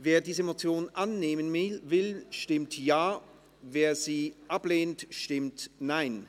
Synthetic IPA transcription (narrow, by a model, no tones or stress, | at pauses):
veːɐdiːzəemot͡sjoːnʔanːeːmənɪvɪlʃtɪmtjaː | veːɐziːʔapleːntʃtɪmtnaɪn